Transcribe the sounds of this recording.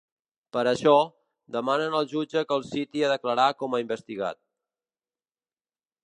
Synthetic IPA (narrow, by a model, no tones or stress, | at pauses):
pəɾəʃɔ | d̪əmanənəlˠʒud͡ʒəkəlˠsit̪iəðəkləɾakɔməimbəst̪iɣa̰t̪̚